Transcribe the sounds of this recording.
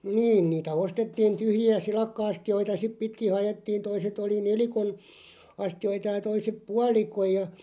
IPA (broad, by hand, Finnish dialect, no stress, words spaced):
niːn niːtæ ostetːiːn tyhjiæ silɑkːɑ̆ɑstioitɑ sip pitki hɑjetːiːn̞ toiset oli nelikon ɑstioitɑ jɑ toisep puɑlikoj jɑ